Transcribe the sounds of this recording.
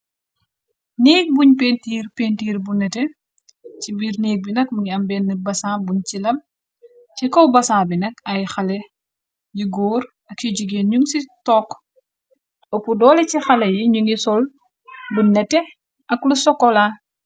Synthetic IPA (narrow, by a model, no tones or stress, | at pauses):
niːk̚buɲpeːntiːrpeːntiːɾbunɛtɛ | t͡ʃibiːɾniːk̚binɐk̚muŋiɐmbɛːnːibɐsaːbuɲt͡ʃilɐm | t͡ʃikɔwbɐsaːbinɐkɐjxɐlɛ | jiɡɔːɾ | ɐkjiɟuɡeːnɲuŋsitɔːkː | ɔpːudɔːlɛcixɐlɛjiɲuŋɡisɔl | bunɛtːɛ | ʔɐklusɔkːɔla